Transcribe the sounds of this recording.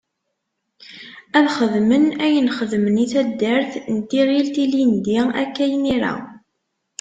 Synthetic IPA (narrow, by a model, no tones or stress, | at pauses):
æðχəðmənæjənχəðməniθæd̪ːəɾθnt̪iʁilt̪ilind̪iæ̰kːæjniɾa̰